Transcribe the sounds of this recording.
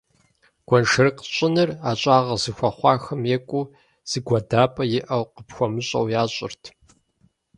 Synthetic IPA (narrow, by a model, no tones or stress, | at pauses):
ɡ̥ʷɔnʂɨrɨqɕʼɪnɨraːɕʼaːʁɐzɨxʷɐχʷɑːxɐmjeːkʷʼuː | z̥ɨɡʷɐdaːpʼɐjɪʔɐwqəpxʷɔmɨɕʼɐ̰wjaːɕʼɪ̰rtʰ